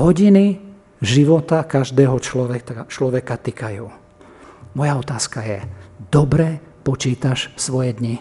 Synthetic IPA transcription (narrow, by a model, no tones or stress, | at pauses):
ɦɔɟini | ʒiʋɔt̪akaʒd̪ɛːɦɔt͡ʃlɔʋɛt̪at͡ʃlɔʋɛkat̪ikajuː | mɔjaɔt̪aːskajɛd̪̥ɔbɾɛ | pɔt͡ʃiːt̪aʃsʋɔjɛd̪ɲi